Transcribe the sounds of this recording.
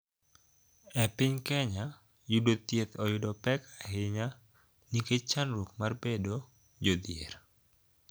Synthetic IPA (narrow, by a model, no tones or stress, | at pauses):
ɛpɪɲkɛɲa | jʊdot̪jet̪ɔjʊdɔpɛkaɦɪɲa | niket͡ʃanɾok̚marbedo | d͡ʒod̪jḛɾ